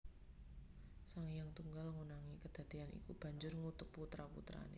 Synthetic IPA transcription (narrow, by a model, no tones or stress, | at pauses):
saŋjaŋt̪uŋɡalŋunaŋikəd̪̥a̤d̪̥ianḭkub̥ä̤ɲd͡ʒʊrŋut̪ʊpput̪ɾapṵt̪ɾa̰nḛ